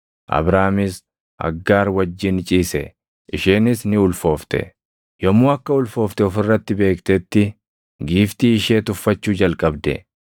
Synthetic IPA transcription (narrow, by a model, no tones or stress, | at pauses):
ʔɐ̰bɾaːmɪs | ʔɐ̰ɡːaːɾwɐd͡ʒːɪnt͡ʃʼiːsɛ | ʔɪʃeːnɪsnɪʊlfo̞ːft̪ɛ̰ | jɔmːuːɐkːɐʊlfo̞ːft̪ɛɔfɪrːɐt̪ːɪbe̞ːkt̪ɛt̪ːɪ | ɡiːft̪iːɪʃeːt̪ʊfːɐt͡ʃːuːd͡ʒɐlkʼɐbd̪ɛ̰